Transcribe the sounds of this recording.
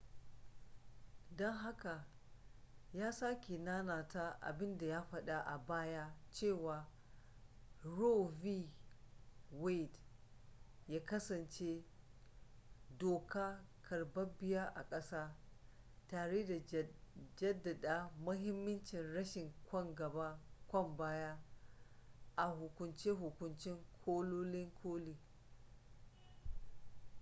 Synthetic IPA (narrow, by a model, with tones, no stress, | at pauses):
dɔ˦ŋɦa˦ka˨ | jaː˦saː˦kʲe˨naː˦naː˨ta˦ʔa̰˨bɪ˦nda˨jaː˦ɸɐ˦ɗa˦ʔa˨baː˦ja˦t͡ʃeː˦˨waː˨ | ɾo˦viː˦ | we˦˨d | jaː˦kɐ˦sɐ˨nt͡ʃe˦ | doː˨kaː˦kʰɐ˨ɽbɐ˦bɪ˦ja˦ʔa̰˨kʼɐ˦saː˦ | taː˨ɽeː˦da˨ | d͡ʒɐ˦dːɐ˨ɗaː˦mʊ˦ɦɪ˦mːɐ˦nt͡ʃɪ˨nɽɐ˦ʃɪ˨ŋkʷɔ˦ŋɡɐ˨ba˦kʷɔ˦˨mbaː˦jaː˦ | ʔa˨hʊ˨kʷʊ˨nt͡ʃeː˦ɦʊ˨kʷʊ˨nt͡ʃɪ˦ŋkʷʰoː˦loː˦lɪ˦ŋkʷʰoː˦liː˨